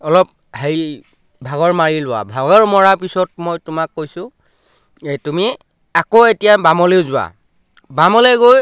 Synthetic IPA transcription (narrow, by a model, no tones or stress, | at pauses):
ɔlɔp̚ | hej | bʱaɡɔɹmaɹilʊwa̰bʱaɡɔɹmɔɹapisɔt̚mojtʊmakːojsʊ | etumi | akoetijabamɔleʊzʊwa̰ | bamɔleɡoj